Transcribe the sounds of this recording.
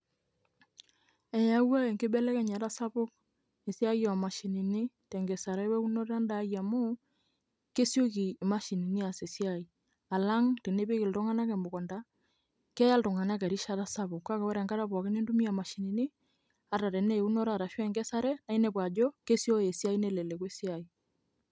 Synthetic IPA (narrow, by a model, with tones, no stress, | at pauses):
ɛ˨ja˦wa˦e˨ŋɡɪ˦bɛ˦lɛ˦kɛ˦ɲa˨ta˦sa˦pʊ˦k | e˨si˦a˦jɔ˨a˨ma˨ʃi˨ni˨ni˦tɛ˨ŋɡɛ˨sa˨ɾɛ˦wɛ˦u˦nɔ˦ɾa˦nda˨˦ja˨mo˦ | ke˦sjo˦ki˨ma˦ʃi˨ni˨ni˦a˨se˨si˦a˦˨i˨ | a˨la˦ŋte˨ne˦pe˦kɪ˨ltɔ˦ŋa˦na˦kɛ˨mbʊ˨kɔ˨nda˦ | kɛ˦ja˦ltɔ˨ŋa˨na˦kɛ˨ɾi˦ʃa˦ta˦sa˦pʊ˨kka˦kɛ˨wɔ˦ɾɛ˨ŋɡa˦ɾa˦pwa˨ke˦ne˦ndu˦mi˦a˨ma˨ʃi˨ni˨ni˦ | a˦ta˨ɾɛ˨ne˦˨u˦nɔ˦ɾa˦˨ɾa˨ʃɔ˦ɛ˨ŋɡɛ˦sa˦ɾɛ˦na˦i˦nɛ˦p̬wa˨d͡ʒɔ˦ke˦sjo˦e˨si˦a˦i˦ne˦˨lɛ˨le˨k̬we˦si˦a˨i˨